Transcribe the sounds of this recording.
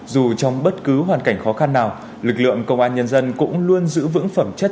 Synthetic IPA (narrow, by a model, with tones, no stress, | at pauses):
zu˨˩t͡ɕɔ˧wŋ͡mɓə˦˥t̚kɨ˨˦ɦwaː˨˩nka˧˩jŋ̟xɔ˨˦xa˧nːaː˨˩w | lɨ˨˩k̚lɨ̰˧˨əŋkə˧wŋ͡mʔaː˧nɲə˧nzə˧nkʊ̰˧˥ŋ͡mlu˧ənzɨ̰˧˥vɨ̰˧˥ŋfə˧˩mt͡ɕə˦˥